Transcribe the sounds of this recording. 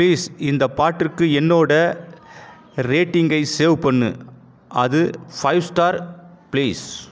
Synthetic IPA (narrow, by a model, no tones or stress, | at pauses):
liːsɪnd̪ɐpaːʈːɪkːɯɛnːoːɽɐ | ɾeːʈːɪŋɡɐɪseːʋpɐɳːɯ̰ | ʔɐðɯfɐɪʋsʈaːɾ | pliːs